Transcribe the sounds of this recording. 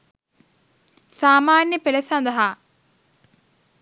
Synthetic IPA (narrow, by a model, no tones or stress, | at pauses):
saːmaːnjəpeləsɐnd̪ɐɦa